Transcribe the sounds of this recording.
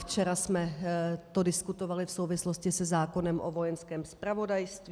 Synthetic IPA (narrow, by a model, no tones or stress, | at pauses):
ft͡ʃɛɾasmɛt̪odɪskut̪o̞valɪfsowvɪsloscɪsɛzaːko̞nɛmʔovo̞jɛnskɛːmspɾavo̞dajst̪v